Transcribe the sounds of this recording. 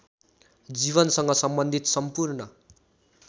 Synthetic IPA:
d͡ziβʌnsʌŋɡʌsʌmbʌnd̪ʱit̪sʌmpurnʌ

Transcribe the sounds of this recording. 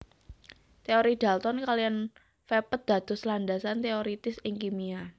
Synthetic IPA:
t̪eoɾid̪̥a̤lt̪ɔnkalijan | fepət̪̚d̪̥ä̤d̪̥ɔ̤slanɖasant̪eoɾit̪ɪsɪŋkimia

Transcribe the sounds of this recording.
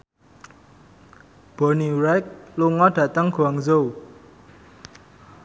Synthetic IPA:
b̥ɔniɾɛk̚luŋɔɖ̥ä̤t̪əŋɡ̥uaŋzow

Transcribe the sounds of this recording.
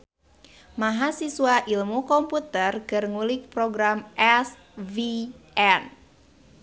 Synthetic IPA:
maɦasisuwaʔilmukɔmput̪ərkɨrŋulik̚pɾɔɡɾamʔɛs | viʔɛn

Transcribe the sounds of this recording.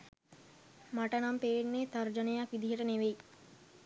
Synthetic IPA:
maʈənampeːenːeːt̪aɾd͡ʒənejakʋid̪iɦəʈəneʋeji

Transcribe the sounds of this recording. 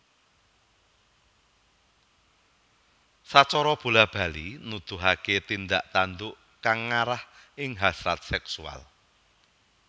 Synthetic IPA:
sat͡ʃɔɾɔb̥ṳlab̥a̤linud̪̥ṳɦaket̪ind̪aʔt̪and̪ʊʔ | kaŋːaɾahʔɪŋɦasɾat̪̚sɛksua̰l

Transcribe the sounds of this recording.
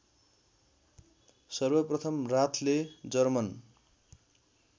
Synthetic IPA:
sʌrbʌprʌt̪ʰʌmrat̪ʰled͡zʌrmʌn

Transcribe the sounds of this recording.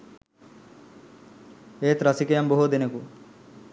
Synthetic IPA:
eːt̪ɾɐsikejamboɦud̪eneku

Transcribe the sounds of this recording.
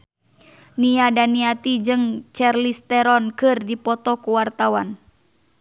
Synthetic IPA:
niadaniat̪id͡ʒɨŋt͡ʃɛrlist̪ɛɾɔnkɨrdipɔt̪ɔkuwart̪awan

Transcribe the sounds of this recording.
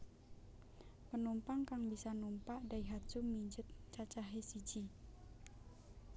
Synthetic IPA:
pənumpaŋkaŋbisanumpaʔdaiɦḁt͡ʃumiɲd͡ʒət̪̚t͡ʃat͡ʃaɦesi̥d͡ʒ̥i

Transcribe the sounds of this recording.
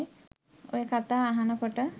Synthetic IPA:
o̰jəkat̪aːɦanəkoʈə

